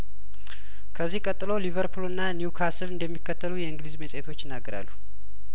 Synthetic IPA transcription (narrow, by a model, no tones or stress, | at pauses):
kʰəzːihkʼət̪ʼːɨlo̞livəɾpʰulɨnːanjukʰasɨlɨnd̪əmːikːət̪ʰːəlujɛɨŋɡlizmesʼet̪ʰo̞t͡ʃːjɪnːaɡːəɾa̰lːu